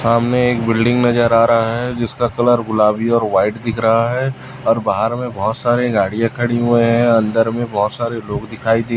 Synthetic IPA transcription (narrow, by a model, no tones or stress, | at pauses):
saːmneeːkbɪlɖɪ̃ŋɡnɐd͡ʒəɾaːɾɐɦaɦɛd͡ʒɪskakɐləɾɡʊlaːbiɔːɾʋaːɪʈd̪ɪkʰɾɐɦaɦɛ | ɔːɾbaːɦəɾmẽbɔɦʊt̪saːɾeɡaːɽijãkʰɐɽiɦueɦɛ̃ɐ̃nd̪əɾmẽbɔɦʊt̪saːɾeloːɡd̪ɪkʰaːid̪eː